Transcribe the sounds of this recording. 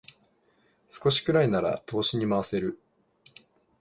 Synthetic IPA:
sɨ̥ko̞ɕi̥kɯ̟ɾainaɾa̰t̪ʰo̞ːɕiɲ̟imaβase̞ɾɯ̟

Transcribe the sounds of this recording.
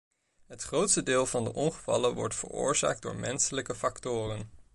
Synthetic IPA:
ɦətχrowtstədɪːlˠvɑndəʔɔnχəvɑ̰lənʋɔ̰ɹtfə̰rʊ̰ːɹza̰ːɡ̚dʊ̰ːɹmɛnsələkəfɑktʊːrən

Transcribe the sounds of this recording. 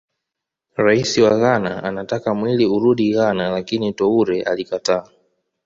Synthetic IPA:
ɾaisiwaɣanaanatakamwiliuɾuɗiɣanalakinitɔuɾɛʔa̰likataː

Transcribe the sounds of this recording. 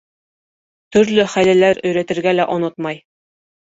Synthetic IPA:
t̪ɵ̆ɾlɵχælælæɾɵ̆jɾæt̪ɘ̆ɾɡælæʔŏnot̪mɑj

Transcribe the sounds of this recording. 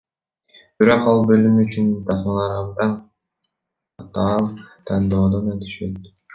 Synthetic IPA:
b̥iɾo̞qɑlˠbø̞lymyt͡ʃynt̪ʰɑsmɑlˠɑɾɑbd̪ɑ | ɑt̪ɑːlˠt̪ʰɑnd̪oːd̪ɑnøt̪ʰy̥ʃøt̪

